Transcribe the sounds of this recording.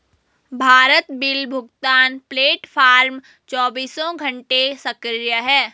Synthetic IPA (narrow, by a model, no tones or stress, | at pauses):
bʱaːɾət̪bɪlbʱʊɡt̪aːnpleːʈpʰaːɾm | t͡ʃɔːbiːsɔ̃ɡʱə̃ɳʈesəkɾɾjəɦɛː